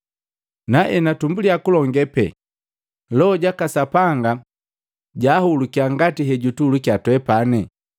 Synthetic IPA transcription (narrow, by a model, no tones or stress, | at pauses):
naʔɛnatumbuliakulɔŋɡɛpɛ̰ | lɔɔɟakasapaŋɡa | ɟaːhulukiaŋɡatiɦɛɟutulukjatwɛpanɛ